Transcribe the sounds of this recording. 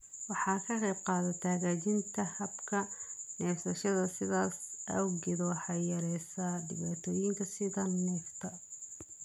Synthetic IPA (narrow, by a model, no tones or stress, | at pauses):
wɑħɑːkʰɐqɛjbqɑːðɐt̪ʰaːɣaːt͡ʃɪnt̪ʰɐhɐbkʰɐnɛːfsɐʃɐðɐsɪðaːsɐwɡɪðwħɑjɐɾɛsɐdɪ̰βaːt̪ʰɔːjɪŋkʰɐsɪðɐnɛːft̪ʰɐ